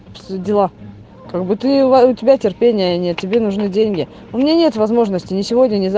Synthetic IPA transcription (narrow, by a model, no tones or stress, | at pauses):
dʲɪlˠa | kaɡ̚bɨt̪ɨvaʊtʲɪbʲatʲɪrpʲenʲɪjənʲe̞t̪̚ʲtʲɪbʲe̞nʊʐnɨdʲenʲɡʲɪ | ʊmʲɪnʲanʲe̞t̪vɐzmo̞ʐnəsʲtʲɪnʲɪsʲɪvo̞dʲnʲənʲɪz